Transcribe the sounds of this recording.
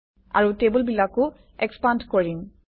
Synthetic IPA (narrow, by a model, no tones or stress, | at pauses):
a̰ɹutebulbilakʊ | ɛkspandkoɹin